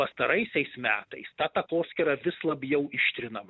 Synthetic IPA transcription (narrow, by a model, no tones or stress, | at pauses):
pɐst̪ɐɾɐɪsʲɛɪsmʲæːt̪ɐɪst̪ɑt̪ɐkoːsʲkʲɛɾɐʋʲɪslˠɐbʲjɛʊɪʃʲt̪ʲɾʲɪnɐmɐ